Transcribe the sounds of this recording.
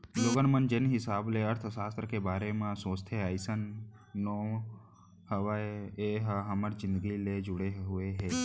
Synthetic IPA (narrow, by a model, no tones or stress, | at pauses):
loːɡənmənd͡ʒenɦɪsaːbleəɾt̪ʰsaːst̪ɾəkebaːɾemãsoːst̪ʰeaːɪsənː | o | həʋaeɦɦəməɾd͡ʒɪ̃nd̪əɡiled͡ʒʊɽeɦʊeɦeː